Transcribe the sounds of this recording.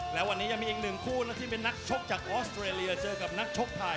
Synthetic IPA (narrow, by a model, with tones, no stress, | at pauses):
lɛː˦˥wa˧nːiː˦˥ja˧ŋmiː˧ʔiː˨˩k̚nɯ˨˩ŋkʰuː˥˩naː˦˥t̪ʰiː˥˩pe˧nːa˦˥k̚t͡ɕʰo˦˥k̚t͡ɕaː˨˩k̚ʔɔː˦˥st̪ʰɾeː˧li˧ɐt͡ɕɤː˧ka˨˩p̚na˦˥k̚t͡ɕʰo˦˥k̚t̪ʰa˧